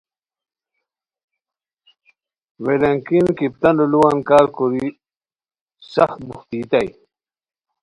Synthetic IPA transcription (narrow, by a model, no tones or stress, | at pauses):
welɐŋkinkip̚t̪ɐnuluwɐnkaːɾkoɾi | sɐxt̪̚buxt̪iːt̪aj